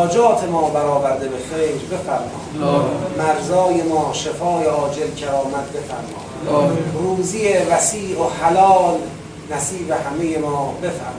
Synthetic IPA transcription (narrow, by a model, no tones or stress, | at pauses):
d͡ʒɒːt̪ʰe̞mɒːbæɾɒːvæɾd̪ebe̞xeːjɾbe̞fæɾmɒ̰̥ːmæɾzɒːjemɒːʃefɒːjeɒːd͡ʒelcʰæɾɒːmæd̪̚be̞fæ̰ɾmɒ̰̥ː | ruːzijevæsiːʔohælɒːl | næsiːbehæme̞jemɒːbe̞fæ̰ɾm